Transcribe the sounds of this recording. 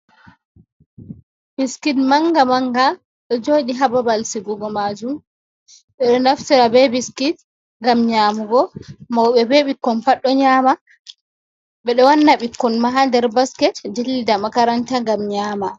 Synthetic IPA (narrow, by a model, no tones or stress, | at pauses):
b̥iskitmaŋɡamaŋɡa | ɗɔd͡ʒoːɗiɦababalsiɡɔɡɔmaːd͡ʒum | ɓɛɗɔnafsiɾabɛbiskit | ŋɡamɲaːmuɡɔmaɓɛbeɓikːɔnpaɗːɔɲaːma | ɓɛɗɔwanːaɓikːɔnmaɦandɛɾbaskɛtdilːidamakaɾantaŋɡamɲaːma